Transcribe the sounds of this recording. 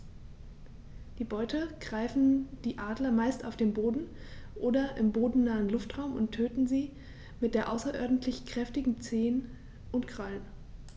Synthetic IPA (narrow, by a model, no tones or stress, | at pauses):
d̥iːbɔʏtʰəɡ̥ʁaɪfn̩d̥iːʔaːdlɐmaɪsta̰ʊfd̥eːmboːdn̩ʔoːdɐʔɪmboːdn̩naːənlʊftʁ̥aʊmʊntʰːøːtn̩ziː | mɪt̚d̥eːɐʔaʊsɐʔɔɐdn̩tʰlɪçkʁ̥ɛftɪɡŋ̩t͡seːən | ʔʊntɡʁ̥alən